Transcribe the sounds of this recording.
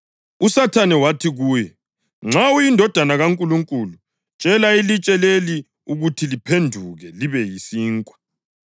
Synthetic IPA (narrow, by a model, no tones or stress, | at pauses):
usatʰanɛwatʰiɣuːjɛ | ŋ͡ǁawujindʱɔd̥ʱanaɣaŋkʼuluŋkʼulu | t͡ʃʼɛlailit͡ʃʼɛleli | uɣutʰilipʰendʱuɣɛliβɛjisiːŋkʼwḁ